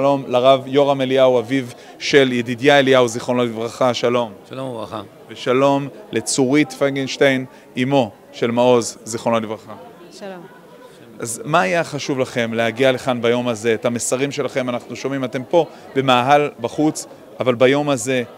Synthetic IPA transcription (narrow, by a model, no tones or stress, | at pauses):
lo̞mlaʁavjo̞ʁameliawaviv | ʃe̞ljedidjaelijawziχonotivʁaχaʃalo̞m | veʃalo̞mle̞t͡suʁitfaɡinʃtejn | imo̞ | ʃe̞lmao̞zziχonotivʁaχa | ʔazmaːjaχaʃuvlaχe̞mlehaɡiale̞χanbajo̞maze̞ːthamesaʁimʃe̞laχe̞manaχnuʃo̞mimate̞mpo̞ | be̞maːɦalbaχut͡s | ʔavalbajo̞maze̞